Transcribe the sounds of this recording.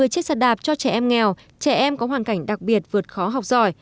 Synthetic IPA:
ɨ˨˩əjt͡ɕe˦˥t̚sa˨˧˩ɗaː˨˩p̚t͡ɕɔ˧t͡ɕɛ˧˩˨ʔɛ˧mŋɛ˨˩w | t͡ɕɛ˧˩ʔɛ˧mkɔ˨˦ɦwaː˨˩ŋka˧˩jŋ̟ɗa˨˩k̚ɓi˨˩ət̚vɨ˨˩ət̚xɔ˨˦ɦa˨˩wk͡p̚zɔ˨˩j

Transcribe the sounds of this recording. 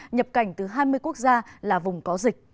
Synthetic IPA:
ɲə˨˩p̚ka˨˧˩jŋ̟t̪ɨ˨˩ɦaː˧jmɨ˧əjku˦˥ək̚zaː˧laː˨˩vʊ˨˩ŋ͡mkɔ˨˦zï˨˩k̟̚

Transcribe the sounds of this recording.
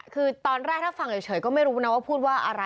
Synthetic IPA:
kʰɯː˧t̪ɔː˧nɾɛː˥˩t̪ʰaː˥˩fa˧˩ŋjt͡ɕʰɤː˩˦jkɔː˥˩ma˥˩jɾuː˦˥˩na˧˦˥waː˥˩pʰuː˥˩t̪̚waː˥˩ʔa˧ɾa˧

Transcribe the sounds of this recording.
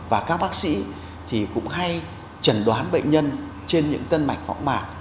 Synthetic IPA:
vaː˨˩kaː˦˥k̚ɓaː˦˥k̚sḭ˧˥ | t̪ʰi˨˩kʊ̰˧˥ŋ͡mɦa˧j | t͡ɕə˧˩nɗwaː˨˦nɓə̰˧˨jŋ̟ɲə˧n | t͡ɕe˧nɲɨ̰˧˥ŋt̪ə˧nma˨˩jk̟fɔ̰˧˥wŋ͡mmaː˨˩k̚

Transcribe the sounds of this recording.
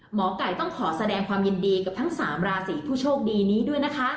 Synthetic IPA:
mɔː˩˦ka˨˩jt̪ɔ˥˩ŋkʰɔː˩˦sa˧dɛː˧ŋkʰwaː˧mji˧ndiː˧ka˨˩t̪ʰa˦˥ŋsaː˩˦mɾaː˧siː˩˦pʰuː˥˩t͡ɕʰoː˥˩k̚diː˧niː˦˥du˥˩əjna˦˥kʰa˦˥

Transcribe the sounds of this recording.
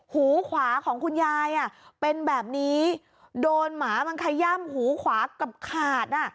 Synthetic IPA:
huː˩˦kʰwaː˩˦kʰɔː˩˦ŋkʰu˧njaː˧jʔa˨˩pe˧nbɛː˨˩p̚niː˦˥ | doː˧nmaː˩˦ma˧nkʰa˧ja˥˩mhuː˩˦kʰwaː˩˦ka˨˩p̚kʰaː˨˩t̪̚ʔa˧˩

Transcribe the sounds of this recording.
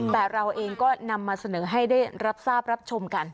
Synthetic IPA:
bɛː˨˩ɾa˧wʔeː˧ŋkɔː˥˩na˧mːaː˧sa˧nɤː˩˦ɦa˥˩jdaː˥˩jɾa˦˥p̚saː˥˩p̚ɾa˦˥p̚t͡ɕʰo˧mka˧n

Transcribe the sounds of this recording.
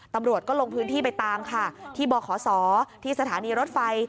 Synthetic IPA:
t̪a˧mɾu˨˩ət̪̚kɔː˥˩lo˧ŋpʰɯː˦˥nt̪ʰiː˥˩p̬a˧jt̪aː˧mkʰa˥˩t̪ʰiː˥˩bɔː˧kʰɔː˩˦sɔː˩˦t̪ʰiː˥˩sa˧t̪ʰaː˩˦niː˧ɾo˦˥t̪̚fa˧j

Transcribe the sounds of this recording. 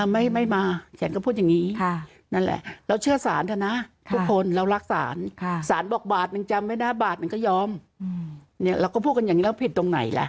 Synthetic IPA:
ma˥˩jma˥˩jmaː˧t͡ɕʰa˦˥nkɔː˥˩pʰu˥˩jaː˨˩ŋiː˦˥˧ | na˥˩nlɛ̰˨˩ʔɾɛ˧˩wt͡ɕʰɯ˥˩ɐsaː˨˩˦nt̪ʰa˧˩na˦˥kʰu˥˧˩kʰːo˧nɾa˧wɾa˦˥k̚sa̰ː˩˦nkʰsaː˨˩˦nbɔː˨˩k̚baː˨˩t̪̚na˧ŋt͡ɕa˧mwa˥jnaː˦˥˩baː˨˩t̪̚na˧ŋkɔː˥˩jɔː˧m | ni˥˩ɐɾaː˧wkɔː˥˩pʰuː˥˩t̚ka˧jaː˨ŋiː˦lːpʰi˨˩t̪ːo˧ŋna̰˨˩˦jlɛ̰˨˩ʔ

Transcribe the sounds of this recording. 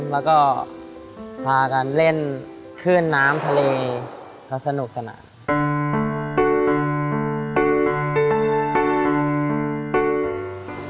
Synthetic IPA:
lɛː˦˥wkɔː˥˩ | pʰaː˧ka˧˩nle˥˩n | kʰɯː˥˩nːaː˦˥mt̪ʰa˧leː˧ | kʰa˦˥˩sa˧nu˨˩k̚sa˧na̰ː˩˦n

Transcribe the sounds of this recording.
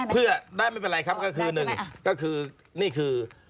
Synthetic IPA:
pʰɯ˥˩ɐdaː˥˩jma˥˩jpe˧nɾa˧jkʰa˦˥p̚kɔ˥˩kʰɯː˧nɯ˨˩ŋkɔː˥˩kʰɯː˧ | niː˥˩kʰɯː˧

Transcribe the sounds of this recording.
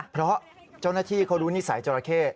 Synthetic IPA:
pʰɾɔ˦˥ | t͡ɕa˥˩wnaː˥˩t̪ʰiː˥˩kʰa˦˥˩ɾuː˦˥ni˦˥sa˨˩˦jt͡ɕa˧ɾa˧kʰeː˥˩t̪̚

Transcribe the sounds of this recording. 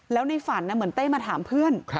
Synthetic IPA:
lɛː˦˥wna˧jfa˨˩˦nːa˧˥˩mɯ˩˦ənt̪e˥˩maː˧t̪ʰaː˩˦mpʰɯ˥˩ən

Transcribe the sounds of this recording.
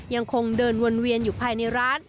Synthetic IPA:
ja˧ŋkʰo˧ŋdɤː˧nwo˧nwi˧ənjuː˨˩pʰaː˧jna˧jɾaː˦˥n

